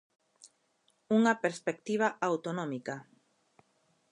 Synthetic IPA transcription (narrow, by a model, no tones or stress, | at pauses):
uŋapeɾspek̚t̪iβ̞aʔawt̪onɔ̃mika